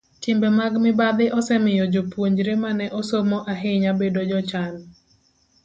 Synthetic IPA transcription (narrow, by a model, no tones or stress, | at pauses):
kɪmbɛmaɡmɪbad̪ɪʔɔsɛmɪjɔd͡ʒopwoɲd͡ʒɾemanɛʔɔsomɔʔaɦɪɲabedod͡ʒɔt͡ʃan